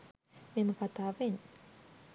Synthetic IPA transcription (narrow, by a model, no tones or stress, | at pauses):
meməkat̪aːʋen